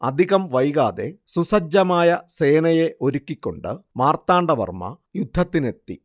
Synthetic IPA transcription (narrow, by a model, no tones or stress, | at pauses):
ɐd̪ʱiɣɐmʋɐjɣaːðe̞susɐd͡ʑːɐmaːjɐse̞ːnɐje̞ʔo̞ɾukʲːikʲːo̞̰ɳɖɨmaːrt̪ːaːɳɖɐʋɐ̰rmɐ̰ | jud̪ʱːɐt̪ːine̞t̪ːḭ